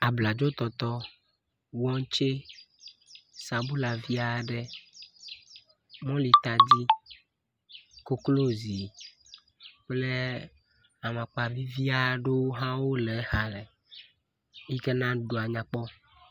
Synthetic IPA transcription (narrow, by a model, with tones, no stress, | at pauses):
a˨bla˨d͡ʒo˦t̪ɔ˨t̪ɔ˦ | wɔ˦ŋ˦t͡ʃe˦ | sa˨bu˦la˨vi˦a˨ɖɛ˨ | mɔ̃˦li˨t̪a˨d͡ʑi˦ | ko˨klo˦zi˨ | k͡ple˦ | a˨mã˨k͡pa˨vi˦vi˦a˨ɖo˦wɦã˦wo˦lɛ˨˦ha˨lɛ˨ | i˦ke˦nã˦ɖo˨a˨ɲã˨k͡pɔ˦